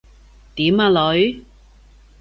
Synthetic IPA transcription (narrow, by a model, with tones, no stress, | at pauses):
t̪iː˨˥maː˧lɵ˨˥ɥ